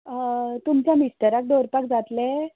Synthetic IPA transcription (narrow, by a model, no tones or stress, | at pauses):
t̪umt͡ɕjamist̪əɾak̚d̪oɾpakd͡zat̪le